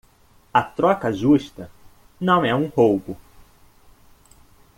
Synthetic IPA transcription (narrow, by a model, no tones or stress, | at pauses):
ɐt̪ɾɔkɐʒuʃt̪ɐ | nɐ̃w̃ɛũhowbʊ